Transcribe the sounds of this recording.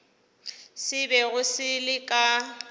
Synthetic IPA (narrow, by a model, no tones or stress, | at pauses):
sɪbɛɣʊsɪlɪkʼa